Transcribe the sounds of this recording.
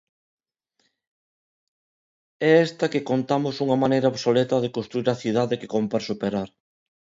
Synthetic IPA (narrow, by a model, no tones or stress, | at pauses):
ɛɛst̪ɐkekont̪amʊsuŋɐmanejɾɐoβsolet̪ɐðekonst̪ɾuiɾɐθið̞aðeke̥kompeɾsupeɾaɾ